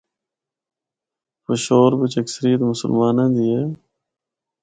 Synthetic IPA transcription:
fəʃoːɾbɪt͡ʃəksəɾijət̪mʊsə̰lmaːnãːd̪iːeː

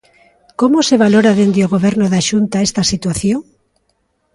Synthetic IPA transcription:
komoseβ̞aloɾaðend̪eoɣoβ̞ɛɾnoðaʃunt̪aɛst̪ɐsit̪waθjoŋ

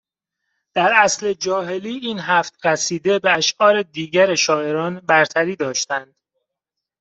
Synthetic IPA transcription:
d̪̥æɾæsle̞d͡ʒɒːɦe̞liːiːnɦæft̪ɾæsiːd̪ebeæʃʔɒːɾe̞d̪iːɟæɾeʃɒːe̞ɾɒːnbæɾt̪ʰæɾiːd̪ɒːʃt̪ænd̪̥

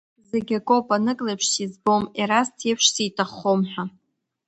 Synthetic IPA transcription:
zeɡʲakʼopʼanɨkʼlepʰʃsizbo̞miɾastʰepʰʂsitʰʼaχomħʷᶣa

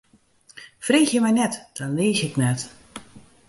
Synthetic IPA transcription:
freːxjəmɛjnɛtd̥ɔnlɪːsɪknɛt

